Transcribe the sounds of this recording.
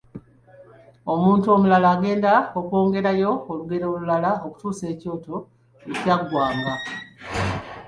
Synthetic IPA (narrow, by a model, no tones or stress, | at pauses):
o̞muːntuo̞ːmulalaːɡe̞ːndaoko̞ːŋɡe̞ɾajo̞oluɡe̞ɾo̞ːlulalaoku̥tuːse̞ːco̞ːto̞ | ecaɡwaːma